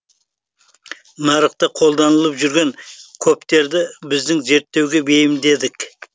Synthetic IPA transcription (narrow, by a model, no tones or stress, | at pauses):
nɑɾəqt̪əqʰo̞lˠd̪ɑnəlˠəpʒʏɾɡʲe̞ŋkʲʰɵpt̪e̞ɾd̪ɪbɪzd̪ɪŋze̞ɾt̪ːe̞wɡʲe̞be̞jɪmd̪e̞d̪ɪk